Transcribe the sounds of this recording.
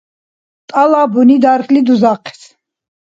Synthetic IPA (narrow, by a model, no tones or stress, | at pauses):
t̪ʼalabunid̪aɾχlid̪uzaqʰɛ̥s